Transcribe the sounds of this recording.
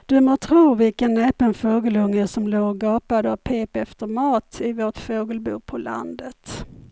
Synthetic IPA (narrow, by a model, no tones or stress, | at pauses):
d̪̥ɵmot̪ʰɾuːvɪlkənːɛːpənfoːɡəlɵŋːəsɔmloːɾɡɑːpad̪əɔpʰeːpɛft̪əɾmɑːt̪ɪvoːʈfoːɡəlbṵːpʰɔla̰nd̪ət̪